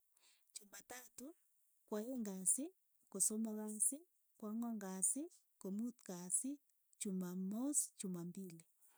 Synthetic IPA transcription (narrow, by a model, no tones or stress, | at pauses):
t͡ʃumatatu | kwajeŋɡasi | kosomaɣasi | kwaŋaŋɡasi | komutkasi | t͡ʃumamost͡ʃumambili